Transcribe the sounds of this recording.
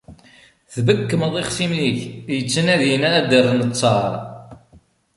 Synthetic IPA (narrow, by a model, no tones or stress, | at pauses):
θbəkːəməðˤeχsimniçjət͡sːənæðjinææd̪ərːnət͡sˤːɑɾˤ